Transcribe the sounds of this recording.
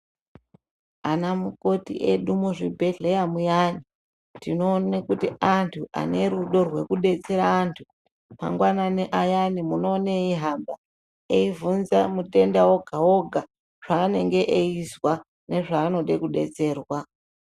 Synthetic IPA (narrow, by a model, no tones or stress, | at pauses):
anamuko̞tḭʔeɗumuʐibʱe̞ɮejamujani | tino̞ːnekutiantʰuʔa̰ne̞ɾuɗo̞rwe̞kuɗe̞t͡se̞ɾaːntʰu̥ | ma̰ŋɡwananeʔajanimuno̞ːneiɦamba | eivunzamute̞ndawoɡʱawoɡʱa | ʐ̥aːne̞ŋɡe̞ʔeiswa | ne̞ʐaːno̞ɗe̞kuɗe̞̰t͡se̞ːrwa